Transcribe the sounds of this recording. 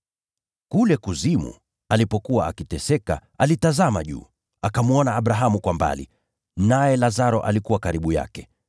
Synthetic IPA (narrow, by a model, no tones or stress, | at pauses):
kulɛkuzimṵ | alipɔkuwaakitɛsɛka̰ʔalitazama̰ʄṵː | akamuɔnaːɓɾaɦamukwamba̰lḭ | najɛlazaɾɔʔalikuwakaɾiɓuja̰kɛ